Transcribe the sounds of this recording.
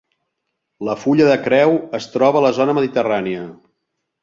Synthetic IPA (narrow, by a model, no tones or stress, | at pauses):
ləfuʎəðəkɾɛwəst̪ɾɔβələzonəməðit̪əraniə